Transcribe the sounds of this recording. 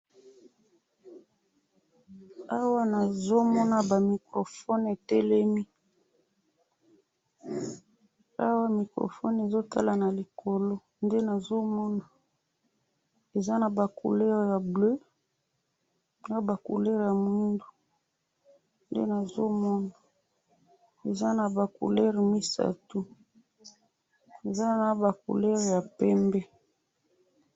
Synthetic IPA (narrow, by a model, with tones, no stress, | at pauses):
a˦wa˦na˨zo˦mɔ˦na˨ba˨mi˨kʁo˨fɔ˦ne˨tɛ˦lɛ˦mi˦ | a˦wa˦mi˨kʁo̰˨fɔ̰˦ne˨zo˦tʰa̰˦la˨na˨li˨kʰo˨lo˦ | nde˦na˨zo˦mɔ˦na˨ | e˨za˦na˨ba˨kṵ˨lɛ˦ʁja˨blø˦˨ | a˦ba˨ku˨lɛ˦ʁja˨mu˦ndu˨ | ndḛ˦na˨zo˦mɔ˦na˨ | e˨za˦na˨ba˨kṵ˨lɛ˦ʁmi˦sa̰˦tu˦ | e˨za˦na˨ba˨kṵ˨lɛ˦ʁja˨pɛ˦mbɛ˦